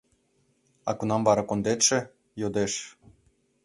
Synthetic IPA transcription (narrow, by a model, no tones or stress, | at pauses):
ɑ̰kunɑmvɑɾɑkond̪et̪ʃĕ | jod̪eʃ